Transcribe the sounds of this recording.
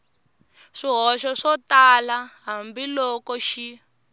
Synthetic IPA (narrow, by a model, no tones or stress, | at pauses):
ʂiɦɔʃɔʂɔtalaɦambilɔkɔʃi